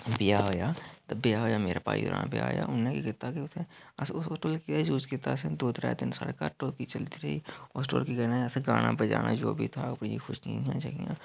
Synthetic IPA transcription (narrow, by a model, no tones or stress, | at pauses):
bɪjaɦoːjat̪ɐbijaɦoːjameːɾapaːjṵɾa̰ːnabija̰ɦo̰ja̰ʊnːekikɪt̪ːaket̪ʰeɐsoːsʈoːlkied͡ʒuːskɪt̪ːased̪oːt̪ɾa̰ːd̪ɪnsə̰ɽkaːɾʈoːkit͡ʃɐlt̪iɾɐɦioːsʈo̰ːlkiɡɐnaɐsɡaːnʔabɐd͡ʒa̰ːnad͡ʒoːbʱit̪ʰaɐpniixʊʃnḭ̃t̪ʰijãt͡ʃakijã̰